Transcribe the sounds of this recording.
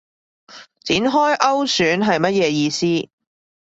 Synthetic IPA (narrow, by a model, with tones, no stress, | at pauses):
t͡siː˨˥nɦɔː˥jʔɐ˥wsyː˨˥nɦɐ˨jmɐ˥t̚jɛː˨˧jiː˧siː˥